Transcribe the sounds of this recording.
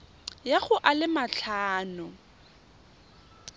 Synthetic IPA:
jaɣʊʔalɪmaɬʰaːnʊ

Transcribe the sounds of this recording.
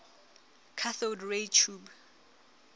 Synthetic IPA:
kʰaθodɹet͡ʃʰub

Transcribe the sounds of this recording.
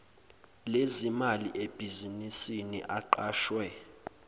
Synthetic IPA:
lezimaliʔeb̥ʱizinisinḭʔaǃaːʃwɛ

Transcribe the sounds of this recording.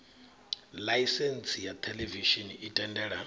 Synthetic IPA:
lajsɛnsʰʼijat̪ʰɛlɛviʃiniitʼɛndɛɺa

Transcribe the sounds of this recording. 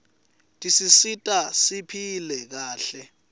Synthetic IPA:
tʼisisitʼasipʰilɛk̬aːɬɛ

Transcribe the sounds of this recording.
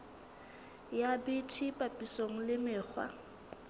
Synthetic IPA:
jabɪtʰipʼapʼisoŋ̩lɪmɪːk͡xʰwa̰

